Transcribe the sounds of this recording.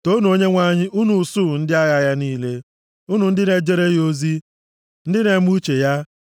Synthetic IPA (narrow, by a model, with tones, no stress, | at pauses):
to˦nu˨o˦ɲe˦ŋʷa˦ɲɪ˦ʔu˦nu˨suː˦˨n̩˦dɪ˦a˦ja˦ja˦niː˦le˦ | u˦nu˨n̩˦dɪ˦ne˨d͡ʒe˦ɾe˦jo˦zi˦ | n̩˦dɪ˦ne˨mu˦t͡ʃe˨ja˦